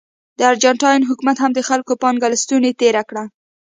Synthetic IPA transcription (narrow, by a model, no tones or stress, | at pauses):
d̪əaɾd͡ʒaɳʈɑjnɦʊkumat̪hamd̪əxalkopɑnɡalst̪unet̪eɾakɽa